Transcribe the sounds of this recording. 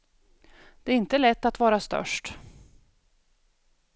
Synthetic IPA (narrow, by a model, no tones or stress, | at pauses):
d̪̥ɛæɾɪnt̪əlɛt̪ːat̪vɑːɾast̪œ̰ʂʈ